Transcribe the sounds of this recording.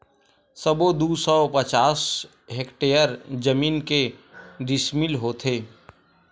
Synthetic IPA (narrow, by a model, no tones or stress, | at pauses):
səbod̪uːsɔpət͡ʃaːs | ɦekʈeːjəɾd͡ʒəmiːnkeɖɪsmɪlɦoːt̪ʰeː